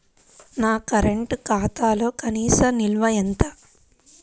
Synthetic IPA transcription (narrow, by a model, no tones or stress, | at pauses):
naːkɐɾeɳʈkaːt̪aːlo̞ːkɐniːsɐmnilʋɐjɐnt̪a